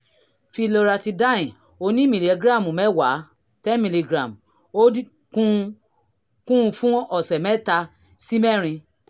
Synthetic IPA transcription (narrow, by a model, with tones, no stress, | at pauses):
fi˧lo˧ɾa˧ti˧da˦ĩ˨ | o˧nĩ˦mĩ˨li˨ɛ˨ɡɾa˦˨mũ˨mɛ˦wa˨˦ | tɛ˦mĩ˨li˧ɡɾa˨m | o˦di˦ | kũ˦˧ | kũ˦˧fũ˦ɔ˨sɛ˨mɛ˦ta˧ | si˦mɛ˦˨ɾ̃ĩ˧